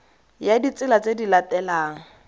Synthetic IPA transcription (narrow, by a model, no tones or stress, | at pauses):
jadit͡sʼɪlat͡sʼedilatɛlaːŋ̩